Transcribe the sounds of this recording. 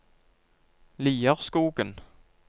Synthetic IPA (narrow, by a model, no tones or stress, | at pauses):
liːəʁskuːɡən